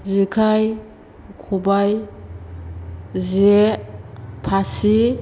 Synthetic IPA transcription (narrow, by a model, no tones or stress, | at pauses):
zikʰaj | kʰubaj | ze | pʰasi